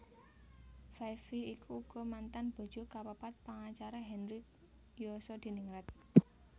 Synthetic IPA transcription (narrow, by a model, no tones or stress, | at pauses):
fafiikʰuːɡ̥ɔ̤mant̪anb̥ɔ̤̥d͡ʒ̥o̤kapəpat̪̚paŋat͡ʃaɾaɦɛnrik̚ | josɔd̪̥i̤niŋɾɛt̪̚